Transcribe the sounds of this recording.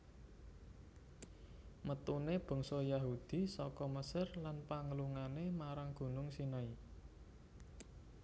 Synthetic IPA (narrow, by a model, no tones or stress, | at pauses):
mət̪uneb̥ɔ̤ŋsɔjaɦud̪̥i̤sɔkɔməsɪrlanpaŋəluŋanemaɾaŋɡ̥ṳnʊŋsinai